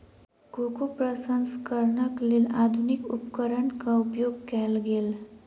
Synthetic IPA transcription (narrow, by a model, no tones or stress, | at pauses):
ɡokupɾəsənskəɾɳəklilad̪ʱunikupkəɾəɳkaupjoɡkɛlɡel